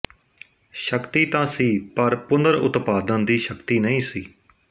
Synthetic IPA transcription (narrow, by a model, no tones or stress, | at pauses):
ʃəkt̪iːt̪ãːsiːpəɾpʊnd̪əɾʊ̰t̪paːd̪ənd̪iːʃəkt̪iːnəĩːsiː